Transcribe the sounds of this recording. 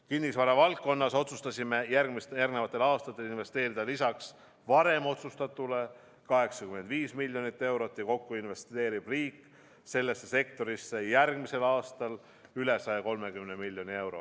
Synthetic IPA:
kinːisvɑɾɑvɑlkːo̞nːɑso̞t̪sust̪ɑsʲime̞jærɡmisjærɡnevɑt̪ˑːe̞lɑːst̪ɑt̪ˑːe̞linve̞st̪e̞ːɾid̪ɑlisɑks | vɑɾe̞mo̞t̪sust̪ɑt̪ːˑule̞ | kɑɦe̞ksɑkyme̞nd̪viːsmilʲjo̞nit̪ːe̞wɾo̞t̪ːˑjɑko̞kːuinve̞st̪e̞ːɾib̥riːkː | se̞lːe̞sːe̞se̞kt̪o̞ɾisːe̞jærɡmise̞lɑːst̪ɑl | yle̞sɑjɑko̞lme̞kymnemilʲːjo̞nie̞wɾo̞

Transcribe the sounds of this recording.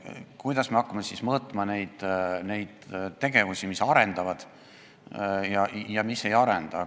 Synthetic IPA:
kujd̪̥ɑsmeɑkːɑmesismɤːt̪ːˑmɑne̞jd̪̥ne̞jd̪̥t̪ːe̞ɡ̥e̞vusimisɑɾe̞nd̪̥ɑvɑd̪̥ | jɑjɑmise̞jɑɾend̪̥ɑ

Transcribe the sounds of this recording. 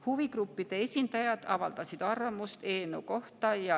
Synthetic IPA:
huviɡrupːid̪̥e̞e̞sʲind̪̥ɑjɑd̪̥ɑvɑ̰ld̪̥ɑsid̪̥ɑrvɑmust̪e̞ːnuko̞ht̪ɑjɑ

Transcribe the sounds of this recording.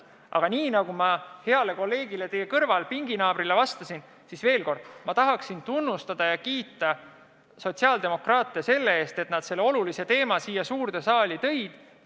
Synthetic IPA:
ʔɑ̰ɡ̥ɑniːnɑɡ̥umɑhe̞ɑle̞ko̞lːe̞ːɡ̥ile̞t̪e̞jekɤrvɑlpiŋɡinɑːbɾilevɑst̪ɑsin | sisve̞ːlko̞rd̪̥mɑt̪ɑɦɑksint̪unːust̪ɑd̪̥ɑjɑkiːt̪ːˑɑ | so̞t̪ʲsiɑld̪̥e̞mo̞krɑːt̪ːˑeese̞lːe̞e̞ːst̪e̞t̪nɑd̪̥se̞lːeo̞lulise̞t̪e̞ːmɑsiːjːɑsuːrd̪̥e̞sɑːlʲit̪ɤ̞jd̪̥

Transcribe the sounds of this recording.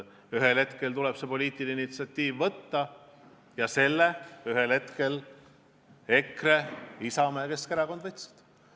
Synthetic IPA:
yɦelhe̞t̪ke̞lt̪ulɛb̥sepo̞lʲiːt̪ˑineinit̪siɑt̪ʲːiːvːɤt̪ːɑ | jɑse̞lːeyɦelhe̞t̪ke̞l | e̞kreisɑmeke̞skeɾɑko̞nd̪vɤjt̪si̥d̪̥

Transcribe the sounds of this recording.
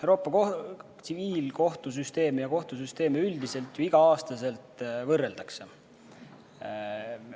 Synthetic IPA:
ewɾo̞ːpːˑɑkot̪siviːlko̞ht̪us̬yst̪e̞ːmijɑko̞ht̪us̬yst̪e̞ːmeyld̪ise̞lt̪juiɡ̥ɑɑːst̪ɑse̞lt̪ˑvɤrːe̞ld̪ɑkse̞

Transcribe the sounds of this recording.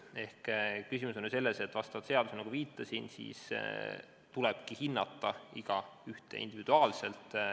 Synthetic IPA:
e̞hkkysimus̬enːyse̞lːese̞t̪ːˑvɑst̪ɑvɑd̪̥se̞ɑd̪̥usenɑɡuviːt̪ːˑɑsinsḭːs | t̪ulɛb̥kihinːɑt̪ːˑɑiɡ̥ɑyht̪ḛḭnd̪ivid̪uɑːlse̞lt̪ˑ

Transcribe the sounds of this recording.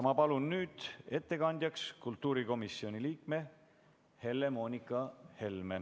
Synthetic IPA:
mɑpɑlunːyːd̪̥e̞t̪ːe̞kɑnʲd̪̥ʲjɑkskult̪ːˑuːɾiko̞misio̞niliːkme̞ | he̞lːe̞mo̞ːnʲikːˑɑhe̞lme

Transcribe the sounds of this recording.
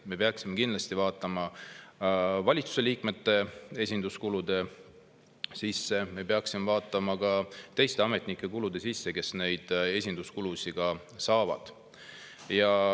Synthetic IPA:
me̞peɑksime̞kind̪lɑst̪ivɑːt̪ːˑɑmɑ | vɑlʲit̪su̥se̞liːkme̞t̪ːe̞e̞sʲind̪̥uskulud̪̥e̞ | sisːe̞me̞pe̞ɑksimevɑːt̪ˑːɑmɑkɑt̪e̞jst̪e̞ɑme̞t̪ˑnikːˑe̞kulud̪̥e̞sisːe̞ke̞sne̞jd̪̥e̞sʲind̪̥uskulusiɡ̥ɑ | sɑːvɑ̰d̪̥ | jɑ

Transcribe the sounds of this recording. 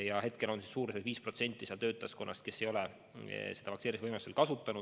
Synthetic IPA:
jɑhe̞t̪ke̞lo̞nsisːuːɾesed̪viːspro̞t̪se̞nʲt̪ːˑiseɑlt̪ø̞ːt̪ːˑɑsko̞nːʔɑst̪̚ke̞sːe̞jo̞le | sed̪̥ɑpɑkseɾisvɤjmelu̥st̪elkɑsut̪ːˑɑnu̥

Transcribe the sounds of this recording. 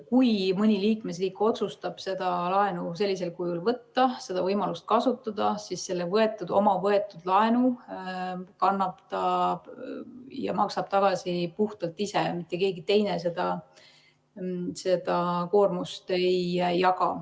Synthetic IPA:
kujmɤnʲiliːkme̞s̬riːkːo̞t̪sust̪ɑb̥se̞d̪̥ɑlɑe̞nuse̞lːise̞lkujulvɤt̪ːɑse̞d̪ɑvɤjmɑlust̪̚kɑsut̪ːˑɑd̪̥ɑsisse̞lːevɤe̞t̪ːˑud̪o̞̰mɑvɤet̪ːˑud̪̥lɑenu | kɑnːɑpt̪ɑ | jɑ̰mɑksɑb̥t̪ɑɡ̥ɑsipuht̪ɑlt̪ːˑisemit̪ːˑeke̞ːɡit̪e̞jnes̬e̞d̪̥ɑ | se̞d̪̥ɑko̞ːrmust̪ejæjɑɡɑ̰

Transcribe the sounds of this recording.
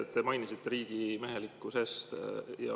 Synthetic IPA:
t̪t̪ːe̞mɑjnisit̪ːe̞ɾiːɡ̥imeɦe̞likˑːuse̞st̪jɑ̰

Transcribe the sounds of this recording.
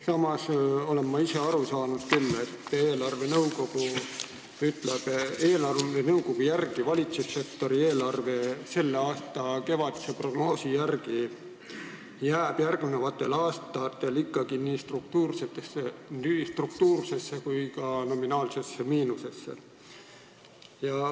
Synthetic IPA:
sɑmɑso̞le̞mːɑise̞ɑɾusɑːnud̪̥̚kylːet̪ːeːlɑrve̞nɤuwko̞ɡ̥u | yt̪ˑleb̥e̞ːlɑrenɤuko̞ɡ̥ujærɡ̥ivɑlʲit̪susːe̞k̚t̪o̞ɾie̞ːlɑrve̞se̞lːeɑːst̪ɑke̞vɑd̪̥isepro̞ɡ̥no̞ːsijærɡ̥i | jæːb̥jærɡne̞vɑt̪ːˑe̞̰lɑːst̪ɑt̪ːe̞likːˑɑɡ̥iniːst̪ruk̚t̪uːrset̪ːˑe̞sːenist̪ruk̚t̪uːrsesːekujkɑno̞minɑːlse̞sːemiːnuse̞sːḛ | jɑ

